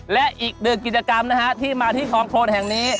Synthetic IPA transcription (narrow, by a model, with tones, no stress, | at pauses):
lɛ˦˥ʔʔiː˨˩k̚nɯ˧˩ŋki˨˩t̪̚t͡ɕa˧ka˧mna˦˥kʰa˦˥t̪ʰiː˥˩maː˧t̪ʰiː˥˩kʰɔː˨˦ŋkʰoː˧nɦɛ˨˩ŋniː˦˥